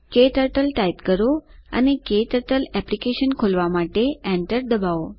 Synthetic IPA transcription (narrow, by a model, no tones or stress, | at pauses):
keʈəɾʈəlʈajt̪kəɾoa̰nekeʈəɾʈəlɛplikeʃənkʰolʋamaʈeɛ̃ɳʈəɾd̪əbao